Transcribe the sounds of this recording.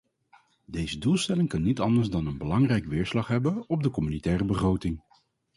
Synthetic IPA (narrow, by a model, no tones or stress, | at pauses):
dejzədulˠstɛlɪŋkɑnːitɑndəɹzdɑnənbəlɑŋrɛjkʋɪːɹslɑχɦɛbənɔb̚dəkɔmynitɛːrəbəχrowtɪŋ